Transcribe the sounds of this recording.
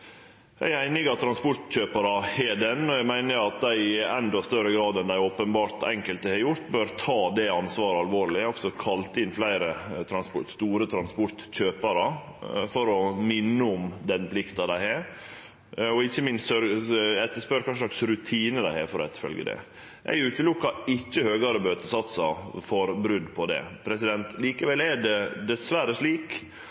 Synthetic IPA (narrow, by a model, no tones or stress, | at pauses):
jʔæ̰ɪæɪnɪɡɑt̪ʰːɾɑnspɔʈ̪ɕøːpɑɾɑhɛɖɛnɔjæɡmæɪnəɾɑt̪̚d̪æɪɛnd̪ɔst̪œɾəɡɾɑːd̪ɛnd̪æɪoːpənbɑːɾt̪ɛ̰ŋkəlt̪əhɛɾjʊɾt̪bøːɾt̪ʰɑːd̪ɛɑnsʋɑːɾəɑlʋoːɭɪɔksɔkʰɑlt̪ɪnːflæɪɾət̪ʰɾɑnspɔt̪st̪uːɾət̪ʰɾɑnspɔɾt̪ɕøːpəɾə | fɔɾɔmɪnːəʊmd̪ɛnpʰlɪkt̪ɑd̪æɪhæɾ | ɔɪçːəmɪnsœɾɛt̪ːəspœɾkʰɑnʂəʂɭɑksɾʉt̪ʰiːnəd̪æɪhæːɾfɔɾɛt̪ːfœ̰lɡə̰d̪ɛ̰ | ʔæ̰ɪʉːt̪əlʊkːɑɪt͡ʃːəhøːɡɑɾəmøːt̪əsɑt̪sɑfɔɾbɾʉd̪pʰɔd̪ɛ̰pʰɾɛsɪd̪ɛnt̪liːkəʋɛlɛɖɛd̪ɛsʋæɾəʂɭiːk